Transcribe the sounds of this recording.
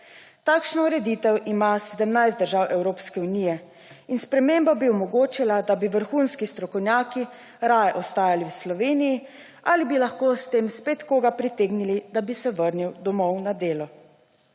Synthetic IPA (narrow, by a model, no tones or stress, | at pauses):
t̪aːkʃnɔuɾɛd̪it̪ɛwʔimasɛd̪əmnajst̪d̪əɾʒaːwʔɛwɾoːpskɛuniːjɛ | inspɾɛmeːmbabiɔmɔɡoːt͡ʃilad̪abiʋəɾxuːnskist̪ɾɔkɔwnʲjaːki | ɾajɛʔɔst̪aːjaliwslɔʋeːniji | alibilaxkoːst̪eːmspeːt̪koːɡapɾit̪eːɡnilid̪abisɛʋəɾniwd̪ɔmɔwnad̪eːlɔ